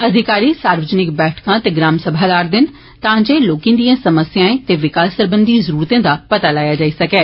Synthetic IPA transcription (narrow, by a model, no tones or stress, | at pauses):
əd̪ʱɪkaːɾiːsaːɾʋəd͡ʒənɪkbɛːʈʰkãːt̪eːɡɾaːmsəbʱaːlaːɾd̪ɪn | t̪ãːd͡ʒeːloːkĩːd̪ijãːsəməsjãːẽːt̪eːʋɪkaːssəɾbənd̪iːzəɾuːɾt̪ẽːd̪aːpət̪aːlaːjaːd͡ʒaːiːsəkɛː